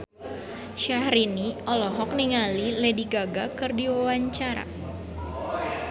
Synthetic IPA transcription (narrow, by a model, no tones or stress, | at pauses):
ʃahɾiniɔlɔɦɔk̚niŋalilɛdiɡaɡakɨrdiwawaɲt͡ʃaɾa̰